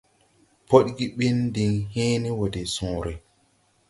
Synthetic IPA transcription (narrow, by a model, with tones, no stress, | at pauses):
pʰo˦ɗɡi˦ɓe˦ndi˨ŋheː˦ni˦wo˨dɛ˨sũː˨ɾɛ˨